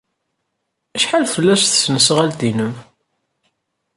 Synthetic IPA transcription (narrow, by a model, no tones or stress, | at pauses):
æʃħalfəlːæsθə̥snəsʁæld̪inəm